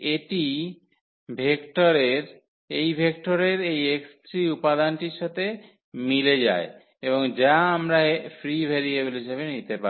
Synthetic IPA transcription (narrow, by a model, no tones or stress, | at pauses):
eʈi | bʱekʈoɾeɾ | ejbʱek̚ʈoɾeɾejekst̪ɾiupad̪anʈiɾʃat̪e | miled͡ʑa̰e | eboŋd͡ʑaamɾafɾibʱeɾiebelɦiʃebenit̪epa̰